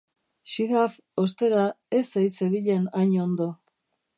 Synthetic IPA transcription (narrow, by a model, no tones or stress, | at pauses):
ʃiɣaf | ost̪e̞ɾa | esejseβiʎenaɲond̪o̞